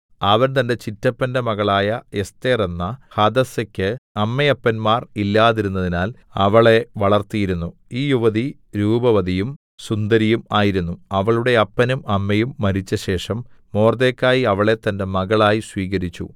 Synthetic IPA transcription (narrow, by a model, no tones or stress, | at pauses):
ɐʋɐnt̪ɐnde̞t͡ɕitːɐpːɐndemɐɣɐɭaːjɐe̞st̪eːrenːɐhɐd̪ɐsɐkʲːɨɐmːejɐpːɐnmaːrilːaːðiɾunːɐðinaːl | ɐʋɐɭe̞ʋɐɭɐrt̪ijiɾunːu | iːjuʋɐði | ɾuːbɐʋɐd̪ijum | sund̪ɐɾijumaːjiɾunːuɐʋɐɭuɽe̞ɐpːɐnumɐmːɐjumːɐɾit͡ɕːɐɕe̞ːʂɐmː | o̞ːrd̪eːkʲːaːjiɐʋɐɭe̞t̪ːɐnde̞mɐɣɐɭaːjiswiːɣɐɾit͡ɕːṵ